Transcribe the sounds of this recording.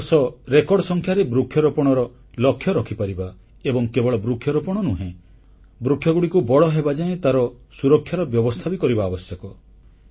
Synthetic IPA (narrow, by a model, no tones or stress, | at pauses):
sɔɾekɔɽɖɔsɔŋkʰjaɾebɾukʰjɔɾopɔɽ̃ɔɾɔ | lɔkʰːjɔɾɔkʰipaɾiba | ebɔŋkebɔɭɔbɾukʰjɔɾɔpɔɽ̃ɔnuɦẽ | bɾukʰjɔɡuɽikubɔɭɔɦebad͡ʒaẽt̪aɾɔ | suɾɔkʰːjaɾɔbjɔbɔst̪ʰabikɔɾibaːbɔsjɔkɔ